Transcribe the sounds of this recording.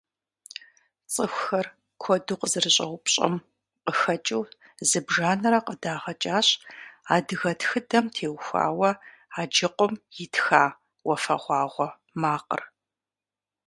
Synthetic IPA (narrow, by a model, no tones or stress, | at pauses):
t͡sʼəxʷxɐr | kʷʰɔduːqəzɨrɨɕʼɐwʷʊpɕʼɐ̰m | qəxɐt͡ʃʼɨw | zɨbʒaːnɐɾɐqədaːʁɐt͡ʃʼaːɕaːdɨɣɐtʰxɨdɐmtʰeːwxʷa̰ːwɐ | aːd͡ʒɪqʷʊmjɪtxaː | wɔfɐ̰ʁʷɑːʁʷɔ | maːqə̰r